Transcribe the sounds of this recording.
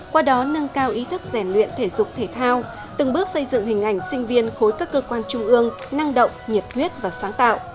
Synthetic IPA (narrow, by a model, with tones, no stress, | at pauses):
kwaː˧ɗɔ˨˦nə˧nkaː˧wʔi˨˦t̪ʰɨ˦˥k̚zɛ˧˩mlwḭ˧˨ənt̪ʰe˧˩zʊ˨˩k͡p̚t̪ʰe˧˩t̪ʰaː˧w | t̪ɨ˨˩ŋɓɨ˦˥ək̚sə˧jzɨ̰˧˨ŋhï˨˩ŋ̟ʔa˧˩jŋ̟sï˧ŋ̟vi˧ənxo˨˦jkaː˦˥kːəː˧kwaː˧nt͡ɕʊ˧ŋ͡mʔɨ˧əŋ | na˧ŋɗə̰˧˨wŋ͡mɲi˨˩p̚ŋwi˦˥ət̚vaː˨˩saː˨˦ŋt̪a̰ː˧˨wʔ